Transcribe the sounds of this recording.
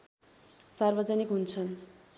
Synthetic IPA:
sarbʌd͡zʌnikɦunt͡sʰʌn

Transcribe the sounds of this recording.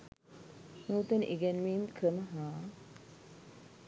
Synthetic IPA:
nuːt̪ɐnʔiɡɛnmiːmkɾəməɦaː

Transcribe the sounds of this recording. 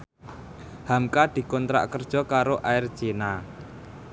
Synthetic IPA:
hamkad̪̥i̤kɔnt̪ɾa̰ʔkərd̥ʒ̥ɔ̤kaɾoʔaɪrd̥ʒ̥ena

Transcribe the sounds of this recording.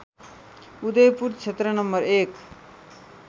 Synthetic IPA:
ud̪ʌjpuɾt͡ʃʰet̪ɾʌnʌmbʌɾek

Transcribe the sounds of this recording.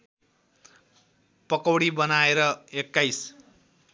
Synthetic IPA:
pʌkʌwɽibʌnaeɾʌekːajs

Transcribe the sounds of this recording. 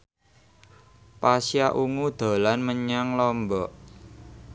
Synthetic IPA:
pasjaʔuŋud̪̥a̤lanməɲaŋlɔmbɔʔ

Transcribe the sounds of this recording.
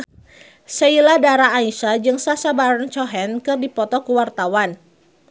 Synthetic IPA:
səiladaɾaːiʃad͡ʒɨŋsasabaɾant͡ʃɔɦɛnkɨrdipɔt̪ɔkuwart̪awan

